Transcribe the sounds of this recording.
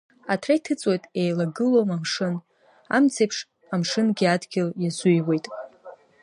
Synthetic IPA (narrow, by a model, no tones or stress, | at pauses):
atʰrajtʰɨt͡sʼwojtʼejlaɡɨlomamʂɨn | a̰mt͡sʰejpʰʂ | amʂɨnɡʲiadɡʲɪljazujwe̞jtʼ